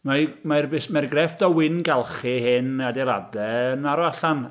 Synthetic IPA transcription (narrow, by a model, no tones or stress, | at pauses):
mamarbeːsmarɡrɛfdɔwɪnɡɛlˠχɨhɪnadɛlˠa̰dɛənaɾɔaɬan